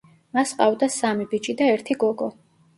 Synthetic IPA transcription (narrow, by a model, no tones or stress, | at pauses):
masqʼavd̪asamibit͡ʃʼid̪aɛɾt̪ʰiɡɔɡɔ